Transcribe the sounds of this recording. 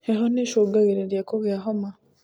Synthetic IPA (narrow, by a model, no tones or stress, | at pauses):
eɦoneʃoɡaɣiɾeɾjakoɣjaɦoma